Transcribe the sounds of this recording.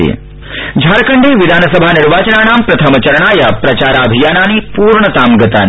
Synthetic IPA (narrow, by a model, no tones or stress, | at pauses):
ḛ | d͡ʒʱaːɾɐkɐɳɖeːʋid̪ʱaːnɐsɐbʱaːniɾʋaːt͡ʃɐnaːnaːmpɾɐt̪ʰɐmɐt͡ʃɐɾɐɳaːjɐpɾɐt͡ʃaːɾaːɐbʱijaːnaːnipuːɾɳɐt̪aːmɡɐt̪aːn